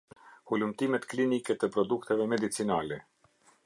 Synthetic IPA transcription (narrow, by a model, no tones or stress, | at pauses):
hulumt̪imɛt̪klinikɛt̪əpɾɔd̪ukt̪ɛvɛmɛd̪it͡sinalɛ